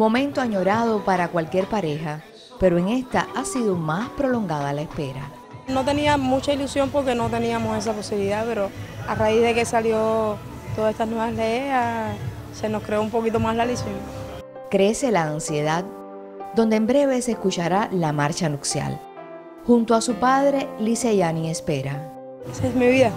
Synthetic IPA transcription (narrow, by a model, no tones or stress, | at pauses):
mõ̞mẽnt̪oaɲo̞ɾað̞o̞paɾakwalkje̞ɾpaɾe̞xa | pe̞ɾo̞e̞ŋe̞st̪aʔasiðomaspɾo̞lo̞ŋɡaðalaespe̞ɾa̰ | no̞t̪e̞niamũt͡ʃailusjo̞mpo̞ɾke̞no̞t̪e̞niamose̞s̬apo̞siβiliðape̞ɾo̞araiðe̞ke̞saljo̞ | t̪oðaest̪anweβalea | se̞no̞skɾeoumpo̞kit̪o̞maslalisin | kɾe̞se̞laːnsje̞ðad̪ | d̪o̞nd̪embɾe̞β̞e̞seskut͡ʃaɾalamaɾt͡ʃanuksja̰l | hunt̪oasupaðɾe̞liseʝaniespe̞ɾa | esaesmiβiða